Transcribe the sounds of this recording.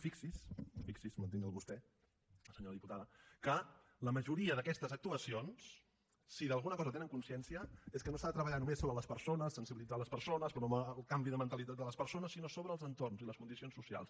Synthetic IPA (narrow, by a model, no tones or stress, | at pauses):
fiksisfiksismənt̪inəlˠβust̪ɛ | səɲoɾəðiput̪aðəkə | ləməʒuɾiəðəkɛst̪əzək̚t̪uəsionsː | iðəlˠɣ̞unəkɔzət̪enəŋkunsiɛnsiəeskənosaðət̪ɾəβəʎanumesoβɾələspəɾsonəsːənsiβilid͡zaləspəɾsonəspɾməlˠkambiðəmənt̪əlit̪at̪d̪ələspəɾsonəsːinosoβɾəːlˠzənt̪ornziləskund̪isionsusia̰lˠs